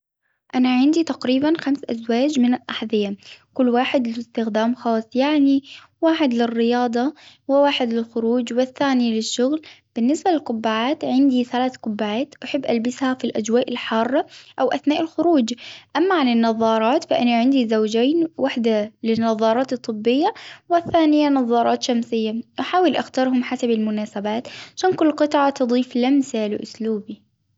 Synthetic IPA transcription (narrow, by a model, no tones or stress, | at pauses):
ʔanaʕɪnd̪it̪aqɾiːbanxamsʔa̰zwaːd͡ʒmɪnɪlʔaħðɪjakʊlːwaːħɪd̪lɪlɪst̪ɪxd̪aːmxɑːsˤːjaʕni | waːħɪd̪lɪrːɪjɑːd̪ˤɑ | wɪwaːħɪd̪lɪlxʊɾuːd͡ʒwɪθːaːnilɪʃːʊɣl | b̥ɪnːɪsbalɪlqʊbːaʕaːt̪ʕɪnd̪iθalaːθqʊbːaʕaːt̪ʔaħɪbːʔalbɪshafilʔad͡ʒwaːʔɪlħɑːrˤːɑʔawʔaθnaːʔɪlxʊɾuːd͡ʒʔamːaʕanɪnːɑðˤːɑːɾˤɑːt̪faʔɪnaʕɪnd̪izawd͡ʒaːnwaħd̪alɪnːɑðˤːɑːɾˤɑːt̪ɨt̪ˤːɨbːɪjːawɪθːaːnɪjanɑðˤːɑːɾˤɑːt̪ʃamsɪjːaʔaħaːwɪlʔaxt̪ɑɾˤɦʊmħasabɪlmʊnaːsabaːt̪ʕaʃaːnkʊlːqɨt̪ˤʕɑt̪ɨd̪ˤiːflamsalɪ̰ʔʊsluːbi